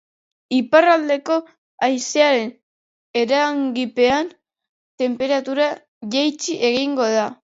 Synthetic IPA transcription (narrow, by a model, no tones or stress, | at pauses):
iparald̪e̞ko̞ | ajseaɾe̞n | e̞ɾaŋɡipe̞an | t̪e̞mpe̞ɾat̪uɾa | ʝejt͡ʃiʔe̞ɣiŋɡo̞ða